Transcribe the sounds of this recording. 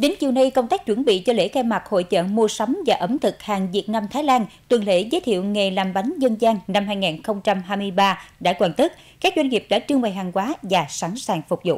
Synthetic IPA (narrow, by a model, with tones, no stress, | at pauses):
ɗe˨˦nt͡ɕi˨˩əwna˧jkə˧wŋ͡mt̪aː˦˥k̚t͡ɕwə˧˩nɓḭ˧˨t͡ɕɔ˧lḛ˧˥xɛ˧ma˨˩t̚ho̰˧˨jt͡ɕə̰ː˧˨mu˧əsa˨˦wŋ͡mvaː˨˩ʔə˨˦mt̪ʰɨ˨˩k̚haː˨˩ŋzi˨˩ət̚na˧mt̪ʰaː˨˦jlaː˧nt̪wi˨˩nlḛ˧˥zəː˨˦jt̪ʰḭ˧˨əwŋe˨˩laː˨˩mɓa˨˦jŋzə˧nzaː˧ŋna˧mɦaː˧jŋaː˨˩nxə˧wŋ͡mt͡ɕa˧mɦaː˧jmɨ˧əjɓaː˧ɗa̰ː˧˥kwaː˧˩nt̪ə˦˥t̚ | kaː˦˥k̚zwa˧ŋŋi˨˩p̚ɗa̰˧˥t͡ɕɨ˧əŋɓa˧˩jɦaː˨˩ŋkwaː˨˦vaː˨˩sa˧˩nsaː˨˩ŋfʊ˨˩k͡p̚zʊ̰˧˨ʔ